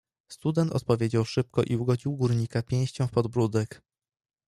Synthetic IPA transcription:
st̪ud̪ɛnt̪ɔ̰t̪̚pɔvʲjed͡ʑawʂɘp̚kɔʔiuɡɔd͡ʑiwɡuɾɲikapʲjɛ̃j̃ɕt͡ɕɔ̃w̃fpɔd̪bɾud̪ɛk

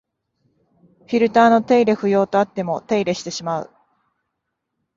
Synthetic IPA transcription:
ɸʲiɾɯ̟t̪aːno̞t̪e̞iɾe̞ɸɯ̟jo̞ːt̪o̞at̪ːe̞mo̞t̪e̞iɾe̞ɕi̥t̪e̞ɕimaɯ̟̰

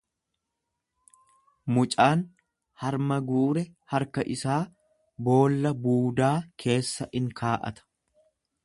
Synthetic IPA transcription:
mʊt͡ʃʼaːn | hɐɾmɐɡuːɾɛhɐɾkɐʔɪsaː | bo̞ːlːɐbuːd̪aːkʰe̞ːsːɐʔɪŋkʰaːʔɐ̰t̪ʰɐ̥

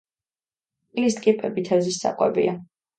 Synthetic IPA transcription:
ilist̪ʼkʼipʼɛbit̪ʰɛvzisːa̰qʼwɛ̰bḭa

